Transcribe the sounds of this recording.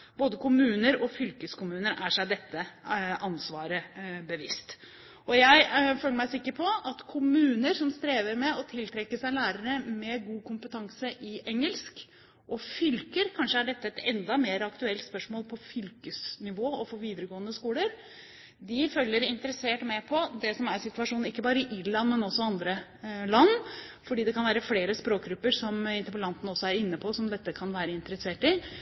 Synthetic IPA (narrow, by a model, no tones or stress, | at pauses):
b̥oːd̪əkʰʊmʉːnəɾɔfʏlkəskʊmʉːnəɾæʂæɪd̪ɛt̪ːəʔɑnsʋɑːɾəbəʋɪst̪ | ɔjæɪføːləmæɪsɪkːəɾpʰɔɑt̪kʰʊmʉːnəɾsɔmst̪ɾeːʋəɾmɛɔt̪ʰɪlt̪ʰɾɛkːəsæɪlæːɾəɾəmɛɡuːkʰʊmpət̪ʰɑŋsəʔɪʔɛŋəlsk | ʔɔfʏlkəɾkʰɑnʂəæɖɛt̪ːəɛt̪ɛnd̪ɑmeːɾɑkt̪ʉɛlt̪spœʂmoːlpʰɔfʏlkəsnɪʋoːɔfoːʋiːd̪əɾəɡoːənd̪əskuːləɾ | d̪ɪfœlːəɾɪnt̪əɾəseːʈmɛpʰɔd̪ɛsɔmæɾsɪt̪ʉʋɑʂuːnn̩ɪkːəbɑːɾəɪʔɪɾɭɑnmɛnɔsːɔɑnd̪ɾəlɑnfɔɖiːd̪ɛkʰɑnʋæːɾəfleːɾəspɾoːk̚ɡɾʉpːəɾsɔmɪnt̪əɾpəlɑnt̪n̩ɔsːɔæɾɪnːəpʰɔsɔmd̪ɛt̪ːəkʰɑnʋæːɾəɪnt̪əɾəseːʈɪ